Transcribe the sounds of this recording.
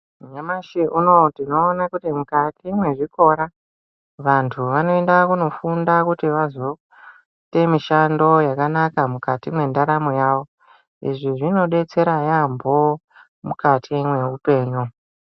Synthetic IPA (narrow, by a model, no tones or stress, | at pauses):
ɲamaʃeʔuno̞tino̞ːnakutimukatʰimwe̞ʐiko̞ɾa | ʋantʰuʋano̞endakuno̞fundakutiʋazo̞ | te̞miʃando̞jakanakamukatimwe̞ndaɾamojaːʋo̞ | ḭʐiʐino̞ɗe̞t͡se̞ɾajambo̞ | mukatʰimwe̞upe̞ːɲu